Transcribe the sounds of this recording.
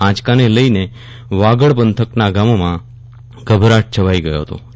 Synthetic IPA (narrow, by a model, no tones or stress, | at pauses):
ãt͡ʃkaneləine | ʋaɡəɭpənt̪ʰəknaɡamomã | ɡəbʱɾaʈ̚t͡ʃʰəʋaiɡəjo̰ɦət̪o̰